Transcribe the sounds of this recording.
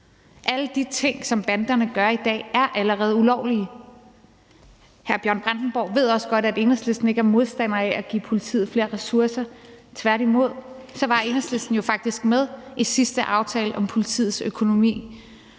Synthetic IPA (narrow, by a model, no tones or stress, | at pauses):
ʔæləd̥it͡sʰe̝ŋ̰sɒ̽mb̥ænd̥ɐnəɡ̥ɶɐid̥ɛ̰ːæɐʔæləʁɛːð̞̩ˠulɒʊliə | hæɐb̥jɶɐ̰nb̥ʁand̥n̩b̥ɒʊ̰ʋe̝ð̞̰ˠɒ̽sɡ̥ɒ̽ɾ̥æd̥e̝nəsle̝sd̥n̩e̝ɡ̥æɐmo̝ð̞ˠsd̥æn̰ɐæʔæɡ̥ḭːpʰo̝lit͡sʰḭːð̩ˠfle̝ːɐʁɛsuɐsɐt͡sʰʋæɐɾimo̝ð̞̰ˠsɒ̽ʋɑ̈e̝nəsle̝sd̥n̩jo̝fɑ̈ɡ̥̚d̥isɡ̥með̞ˠʔi̥sisd̥əʔɑ̈ʊt͡sʰɛ̰ːləʔɒ̽mpʰo̝lit͡sʰḭːð̩ˠsøkʰo̝no̝mḭː